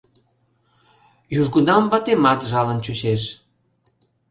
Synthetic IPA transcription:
juʒɣunɑmbɑt̪emɑt̪ʒɑlənt͡ɕuɕeʃ

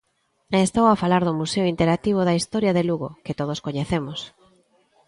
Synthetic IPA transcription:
est̪owafalaɾðʊmuseʊint̪eɾak̚t̪iβ̞ʊðɐist̪ɔɾjɐðeluɣo̰ket̪oð̞oskoɲeθemʊs

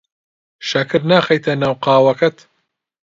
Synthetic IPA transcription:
ʃɐkɨɾnaːxɐjt̪ʰɐnaːwqɑːwɐkɐt̪

